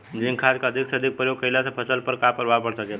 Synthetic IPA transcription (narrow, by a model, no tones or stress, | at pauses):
d͡ʒinkʰad͡ʒkaəd̪ʱikseəd̪ʱik̚pɾəjoɡ̚kəjlasə̃pʰəsəlpəɾkapəɾbapəɽsəkɛ